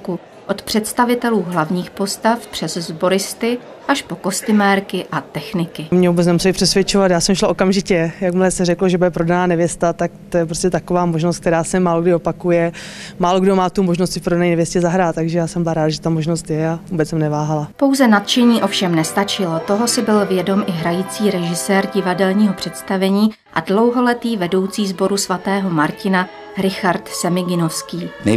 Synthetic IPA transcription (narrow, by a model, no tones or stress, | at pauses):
ku | ʔo̞t̪pr̝̥ɛt̪st̪avɪt̪ɛluːɦlavɲiːxpo̞st̪afpr̝̥ɛzzbo̞ɾɪst̪ɪ | ʔaʃpo̞ko̞st̪ɪmɛːɾkɪʔat̪ɛxnɪkɪmɲɛvubɛt͡snɛmusɛlɪpr̥ɛsvjɛt͡ʃovat̪jaːsɛmʃlaʔokamʒɪcɛjakmɪlɛsɛrɛkloʒɛbudɛpɾodanaːnɛvjɛst̪at̪akt̪ojɛpɾoscʲɛt̪akovaːmoʒnost̪k̚t̪ɛɾaːsɛmaːloɡdɪopakujɛ | maːloɡdomaːt̪umoʒnost̪ɪfpɾodanɛjnɛvjɛscɛzaɦɾaːt̪t̪ːaɡʒɛjaːsɛmbɪlaɾaːd̪ʒɛt̪amoʒnost̪jɛavuːbɛt͡ssɛmnɛvaːɦalapo̞wzɛnat̪t͡ʃɛɲiːʔo̞fʃɛmnɛst̪at͡ʃɪlo̞t̪o̞ɦo̞sɪbɪlvjɛdo̞mʔɪɦɾajit͡siːɾɛʒɪsɛːɾɟɪvadɛlɲiːɦo̞pr̥ɛt̪st̪avɛɲiː | ʔa̰dlo̞wɦo̞lɛt̪iːvɛdo̞wt͡siːzbo̞ɾusvat̪ɛːɦo̞maɾcɪna | ɾɪxaɾt̪sɛmɪɡɪno̞fskiːnɛ